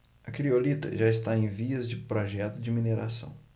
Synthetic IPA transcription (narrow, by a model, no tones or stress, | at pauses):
ɐkɾiolit̪ɐ̰ʒaɪst̪aẽj̃viɐzd͡ʒɪpɾɔʒɛt̪ʊd͡ʒɪmineɾa̰sɐ̰̃w̃